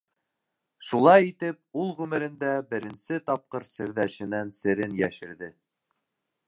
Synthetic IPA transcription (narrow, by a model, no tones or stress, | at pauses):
ʃulˠɑjit̪ɘp̚ulˠʁʉmɘ̆ɾɘ̆nd̪æbɘ̆ɾɘ̆nsɘt̪ɑp̚qɤɾsɘ̆ɾðæʃɘ̆nænsɘ̆ɾɘnjæʃɘ̆ɾðɘ